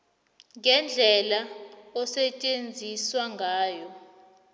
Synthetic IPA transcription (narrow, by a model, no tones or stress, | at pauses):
ŋɛnd͡ɮʱɛlaɔsɛt͡ʃʼend͡zʱiswaŋɡʱaːjɔ